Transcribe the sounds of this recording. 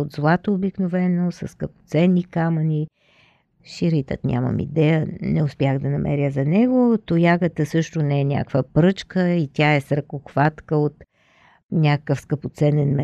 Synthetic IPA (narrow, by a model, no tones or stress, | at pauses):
od̪zlˠat̪oːbiknovɛnosɐ̰sːkəpo̥t̪sɛnːikaməni | ʃiɾit̪ə̰t̪nʲa̰mə̰mḭd̪ɛjənɛʊspʲjaxd̪ɐnɐmʔɛ̰ɾjəzɐnɛɡot̪ojaɡət̪əsɤʃt̪ʊnɛɛnʲa̰kvəpɾɤt͡ʃkəit̪ʲaɛsɾəkoxvat̪kəot̪ | nʲakəkəfskəpot̪sɛnɛnmɛ